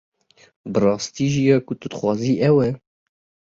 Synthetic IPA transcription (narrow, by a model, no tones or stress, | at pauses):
bɨrɑːst̪iːʒijɑːkʊt̪ud̪xwɑːziːʔɛwɛ